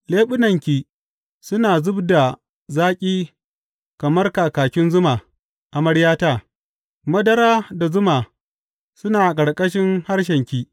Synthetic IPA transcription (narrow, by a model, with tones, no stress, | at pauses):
leː˦ɓʊ˦nɐ˨ŋkʲiː˨ | sʊ˦naː˨zʊ˦bda˨ | zaː˦kʲʼiː˦ | kɐ˨mɐ˦rkaː˨kaː˨kʲɪ˦nzʊ˦maː˨ | ʔa˨mɐ˦ɽjaː˦taː˦˨ | mɐ˦dɐ˦ɾaː˦da˨zʊ˦maː˨ | sʊ˦naː˨kʼɐ˨ɽkʼɐ˦ʃɪ˦ŋha˦rʃ̬ɛ˨ŋkʲiː˨